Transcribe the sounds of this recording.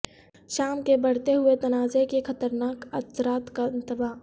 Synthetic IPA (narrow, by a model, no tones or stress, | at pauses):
ʃaːmkebɐɽ̤t̪eɦʊet̪ɐnaːzekexɐt̪əɾnaːkɐsɾaːt̪kaɪ̃nt̪əbaː